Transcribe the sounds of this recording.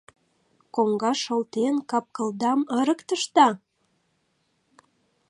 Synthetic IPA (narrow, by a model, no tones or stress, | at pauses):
koŋɡɑʃolt̪enkɑp̚kə̆ld̪ɑməɾə̆kt̪əʃt̪ɑ